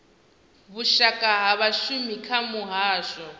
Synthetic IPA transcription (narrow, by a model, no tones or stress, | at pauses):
βuʃakʼaɦaβaʃumikʰamuɦaːʃɔ